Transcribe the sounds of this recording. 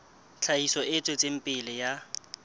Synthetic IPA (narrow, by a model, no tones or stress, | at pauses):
t͡ɬʰaisɔɪt͡sʼwet͡sʼem̩pʼɪlɪja